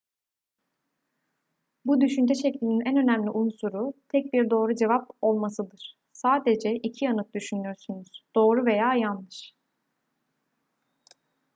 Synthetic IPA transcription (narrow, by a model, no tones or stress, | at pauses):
bud̪yʃynd͡ʒɛʃɛclʲininænø̞næmlʲiʔunsuɾut̪ʰɛc̚biɾd̪o̞ːɾud͡ʒe̞vapo̞lˠmasɯd̪ɯɾ̥ | saːd̪ed͡ʒɛʔicʰianɯk̚d̪yʃynyjoɾsunuz̥d̪̥o̞ːɾuve̞jaːjanlˠɯʃ